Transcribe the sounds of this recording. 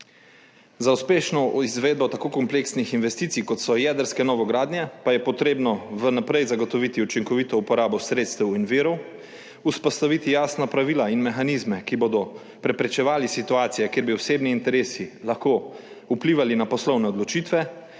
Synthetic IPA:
zauspeːʃnɔizʋeːd̪bɔt̪akoːkɔmpleːksnixinʋɛst̪iːt̪sijkɔt̪sɔjɛːd̪əɾskɛnɔːʋɔɡɾaːd̪njɛpajɛpɔt̪ɾeːbnɔʋənapɾɛjzaɡɔt̪ɔʋit̪iut͡ʃiŋkɔʋit̪ɔupɔɾaːbɔsɾeːt̪st̪ɛwinʋiːɾɔw | uspɔst̪aʋiːt̪ijaːsnapɾaʋiːlainmɛxanizmɛkiboːd̪ɔ | pɾɛpɾɛt͡ʃɛʋaːlisit̪uaːt̪sijɛkeːɾbiwseːbniːnt̪ɛɾeːsilaxko | upliːʋalinapɔslɔwnɛɔd̪lɔt͡ʃiːt̪ʋɛ

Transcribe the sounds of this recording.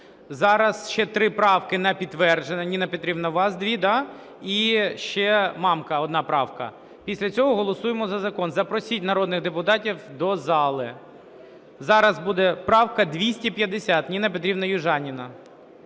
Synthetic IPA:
zɑɾɐsʃt͡ʃɛt̪ɾɪpɾɑwkɪnɛpʲit̪ːʋɛrd͡ʒenɐnʲinɐpʲit̪ɾʲibnɐʋɑsd̪ʲʋʲid̪ɑ | iʃt͡ʃɛmɑmkɐɔd̪nɑpɾɑwkɐ̰ | pʲisʲlʲɐt͡sʲɔɦɔɦɔlˠɔsujemɔzɐzɐkɔnzɐpɾɔsʲitʲnɐɾɔd̪nɪɣd̪epʊt̪ɑtʲiwd̪ɔzɑlˠɪ | zɑɾɐzbud̪ɛpɾɑwkɐd̪ʋʲisʲtʲipʲjɐd̪esʲat̪nʲinɐpʲɪt̪ɾʲibnɐjʊʒɑnʲinɐ

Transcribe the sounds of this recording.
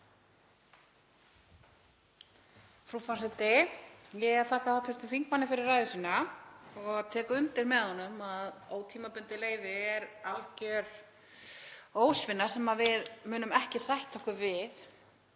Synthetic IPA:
fɾufasɛt̪ɪjɛɣɛɾθʰaːhkaθawt̪ʰʏst̪ʏfiŋkmanːɪfɪɾɪrːaːjðʏsiːnaɔɣt̪ʰɛːkʏʏnt̪ɪɾmɛðhɔnːʏmaðoːwt̪ʰiːmapʏnt̪ɪleːjvɪɛɾalcœɾ̥ | oːwsvɪnːḁsɛmavɪðmʏːnʏmɛhcɪsajht̪ʰːɔhkʏvɪð

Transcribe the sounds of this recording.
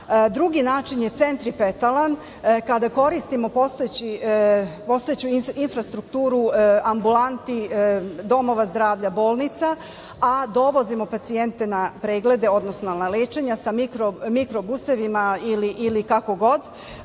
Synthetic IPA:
d̪ɾuɡinaːt͡ʃinjet̪se̞nt̪ɾipet̪alan | kad̪ako̞ɾist̪imo̞po̞st̪oet͡ɕi | po̞st̪ojet͡ɕuinfɾast̪ɾukt̪uːɾuambulant̪id̪o̞mo̞ʋazd̪ɾaːʋʎabo̞ːlˠnit̪sa | ad̪o̞ʋo̞zimo̞pat̪sie̞nt̪e̞napɾeːɡle̞d̪e̞o̞d̪no̞snonnaleːt͡ʃe̞ɲasamikɾomikɾo̞buse̞ʋimailiʔilikako̞ɡo̞d̪

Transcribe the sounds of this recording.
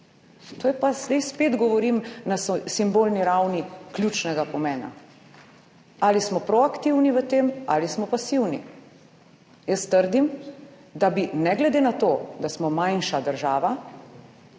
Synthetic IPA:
t̪ojɛpaz̥d̪ɛjspeːd̪ɡɔʋɔɾimnasɔsimbolniɾawniklʲjut͡ʃnɛɡapɔmɛːna̰ | aːlismɔpɾɔakt̪iwniʋət̪ema̰lismɔpasiwni | jəst̪əɾd̪im | d̪abinɛɡlɛd̪enat̪oːd̪asmɔmajnʃad̪əɾʒaːʋa

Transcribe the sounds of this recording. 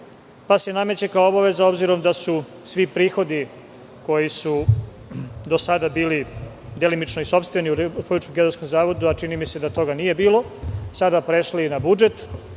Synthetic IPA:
pasjename̞t͡ɕekaoo̞baʋe̞zao̞bziɾo̞md̪asu | sʋipɾiːxo̞d̪i | ko̞jisu | d̪o̞sad̪abiːli | d̪elimit͡ʃnoiso̞pst̪ʋe̞niupout͡ʃkoɡed̪osko̞mzaːʋo̞d̪uat͡ʃinimise̞d̪at̪o̞ɡanije̞biːlo̞ | sad̪apɾeʃlinabud͡ʒe̞t̪

